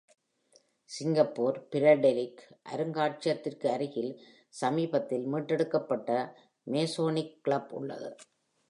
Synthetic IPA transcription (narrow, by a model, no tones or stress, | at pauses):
sɪŋɡɐpːoːɾpɪɾɐɖɛlɪkʔɐ̰ɾɯŋɡaːʈ̚t͡ʃɐt̪ːɪrkɯɐɾɯɣɪl | sɐmiːbɐt̪ːɪlmiːʈrɛɽɯkːɐpːɐʈːɐ | meːsoːnɪkːɭɐbʊ̰ɭːɐ̰ðɯ̰